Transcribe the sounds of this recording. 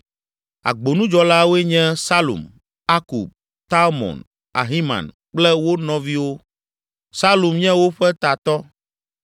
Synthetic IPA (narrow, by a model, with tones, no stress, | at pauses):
a̰˨ɡ͡bo˨nũ˦d͡ʒɔ˦la˦wo˦e˦ɲɛ̃˦sa˦lṵ˨m | a˦kṵ˨b̚ | t̪a˦lmɔ̰˨n | a̰˨ɦi˦mã̰˨n | k͡plɛ˦wo˦nɔ̃˨vi˦wo˦ | sa˦lu˨mɲɛ̃˦wo˦ɸɛ˦t̪a˨t̪ɔ˦